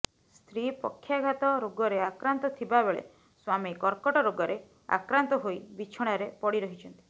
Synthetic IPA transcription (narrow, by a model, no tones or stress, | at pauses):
st̪ʰɾipɔ̰kʰːjaɡʱat̪ɔɾoɡɔɾeakɾant̪ɔt̪ʰibabeɭḛ | swamikɔɾkɔʈɔɾoɡɔɾe | a̰kɾant̪ɔɦojbit͡ʃʰɔɽ̃aɾepɔɽiɾɔɦit͡ʃʰɔnt̪i̥